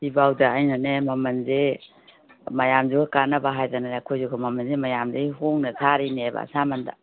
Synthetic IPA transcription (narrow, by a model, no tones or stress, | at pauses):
sibawdaajnanemɐmɐnze | mɐjamzuɡakanɐbaɦajzananakʰojzuɡamɐmɐnzemɐjamdeiɦoŋnɐsʰaɾineba̰samɐnda̰